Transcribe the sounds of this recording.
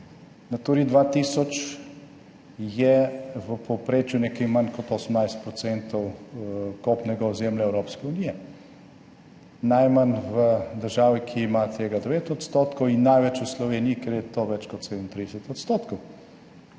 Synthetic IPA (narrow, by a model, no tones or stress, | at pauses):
nat̪uɾid̪ʋat̪iːsɔt͡ʃ | jɛʋəpʰɔpɾeːt͡ʃjunɛkɛjmankɔt̪osəmnajst̪̚pɾɔsɛnt̪ɔw | kopnɛɡaɔzemljaɛwɾoːpskɛunijɛ | najmanʋəd̪əɾʒaːʋikʰiimat̪ʰeːɡad̪ɛʋeːt̪ɔt̪st̪oːt̪kɔwinːajʋɛt͡ʃuslɔʋeniikɛɾjɛt̪oʋɛt͡ʃkɔt̪sed̪əmnt̪ɾid̪ɛsɛt̪ɔt̪st̪oːt̪kɔw